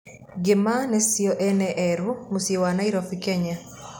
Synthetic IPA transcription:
ɡɪmanesiɔʔɛnɛʔɛɾumusiewanaiɾofikeɲa

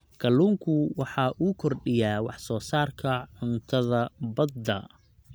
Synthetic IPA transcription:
kʰɐluːŋkʰʊwɑħɑːʔuːkʰɔrɖɪjaːwɑħsɔːsaːrkʰɐʕʊnt̪ʰɐðɐbɐd̪ɐ

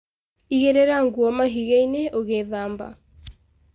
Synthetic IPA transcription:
iɣeɾeɾaŋɡuɔmaɦiɣeineʔoɣeðamba̰

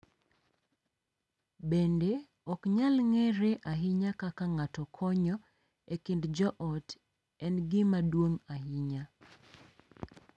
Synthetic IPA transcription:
bende | ɔkɲalŋɛɾeʔaɦɪɲakakaŋatɔkʰɔɲɔ | ekɪndd͡ʒɔʔɔt | ɛnɡɪmadwoŋaɦɪɲa

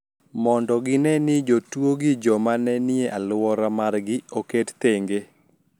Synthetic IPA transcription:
mɔndɔɡɪnɛnɪd͡ʒotwoɡɪd͡ʒɔmanɛnɪeʔalʊwɔɾamarɡɪokett̪eŋɡe

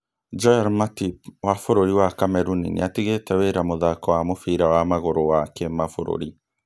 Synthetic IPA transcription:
d͡ʒɔjaɾmatipwafoɾoɾiwakamɛɾunḭnḛatiɣetɛweɾamoðakɔwamofiɾawamaɣoɾowakemafoɾo̰ɾi

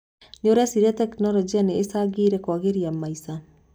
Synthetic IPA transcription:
ɲoɾɛsiɾiatɛknɔlɔd͡ʒianeːsaɡiɾɛkwaɣeɾiamːaisa

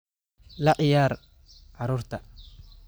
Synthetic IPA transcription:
lɐʔɪjaːɾ | ʔɐɾoːɾt̪ɐ

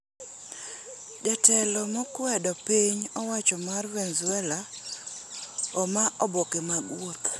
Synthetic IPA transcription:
d͡ʒɛtɛlɔmɔkwɛdɔpiɲɔwat͡ʃɔmarwenzwɛla | ɔmaʔɔbokemaɡwot̪

